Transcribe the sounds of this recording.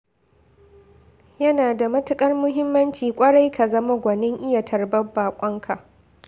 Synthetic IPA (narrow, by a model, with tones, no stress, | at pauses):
jɐ˦naː˨da˨mɐ˦tʊ˦kʼɐ˦rmʊ˦ɦɪ˦mːɐ˦nt͡ʃiː˨kʷʼɐ˦ɽa˦jka˨zɐ˦ma˦ɡʷɐ˨nɪ˦ŋʔɪ˦ja˨tʰɐ˨rbɐ˦bːaː˨kʷʼɔ˦ŋkʰa˨ʔ